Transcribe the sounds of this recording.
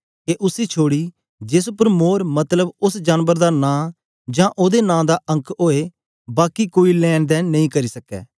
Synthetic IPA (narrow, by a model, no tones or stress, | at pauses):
keʔʊsiːt͡ʃʰoːɽiː | d͡ʒeɪs̬ʊpəɾmoːɾmɐt̪ləbʊsd͡ʒaːnʋəɾd̪aːnãː | d͡ʒãːʔoːd̪enãːd̪aːʔə̃ŋkʰoːeː | baːkikoːilɛːnd̪ɛːnɐɦĩːkɐɾiːsəkɛ̰ː